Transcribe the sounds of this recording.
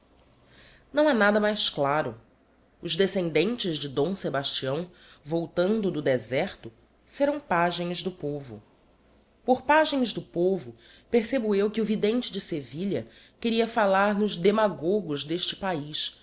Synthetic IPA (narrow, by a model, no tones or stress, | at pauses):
nɐ̃w̃ɛnad̪ɐmajsklaɾʊ | ʊzd̪esẽnd̪ẽnt͡ʃɪzd͡ʒɪd̪õw̃sebaʃt͡ʃiɐ̃w̃ | vowt̪ɐ̃nd̪ʊd̪ʊd̪ezɛχt̪ʊ | seɾɐ̃w̃paʒẽj̃zd̪ʊpovʊ̰ | poɾpaʒẽj̃zd̪ʊpovʊ | peɾsebʊewkɪʊvid̪ẽnt͡ʃɪd͡ʒɪseviʎɐ | keɾiɐfalaɾnʊʒd̪emaɡoɡʊzd̪eʃt͡ʃɪ̥paiʃ